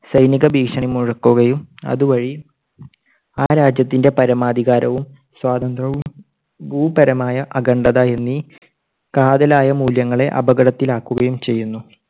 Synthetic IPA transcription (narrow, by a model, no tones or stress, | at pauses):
sɐjniɣɐbiːkʂɐɳimuɻɐkːuɣɐjumɐ̰ðuʋɐɻi | aːɾaːd͡ʑjɐt̪ːinde̞pɐɾɐmaːd̪ʱiɣaːɾɐʋum | swaːt̪ɐnd̪rɐ | buːbɐɾɐmaːjɐʔɐɡɐɳɖɐðaje̞nːi | kaːd̪ɐlaːjɐmuːljɐŋːɐɭe̞ʔɐ̰bɐɡɐɽɐt̪ːilaːkːuɣɐjumt͡ɕe̞jːunːu